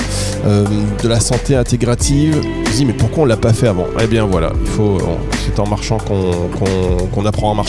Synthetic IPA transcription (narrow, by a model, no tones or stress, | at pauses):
ømd̪əlasɑ̃t̪eɛ̃t̪eɡʁat̪ʰiv | d̪imɛpuʁkwaɔ̃nəlapafɛavɑ̰̃ʔḛbjɛ̃vwala̰ilfõ̰ | sɛt̪ɑ̃maʁʃɑ̃kɔ̃kɔ̃kɔ̃napχɑ̃ɑ̃maʁ